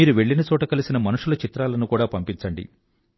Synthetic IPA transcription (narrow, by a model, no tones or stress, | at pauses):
iːɾuʋe̞ɭːinɐt͡ʃɔːʈɐkɐlisinɐmɐnuʂulɐt͡ʃit̪ɾaːlɐnukuːɽaːpɐmpint͡ʃɐɳɖḭ